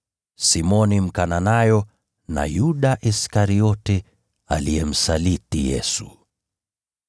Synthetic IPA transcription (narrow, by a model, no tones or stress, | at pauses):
simɔnim̩kananajɔ | na̰juɗaʔiskaɾiɔtɛ | alijɛm̩salitijɛ̰su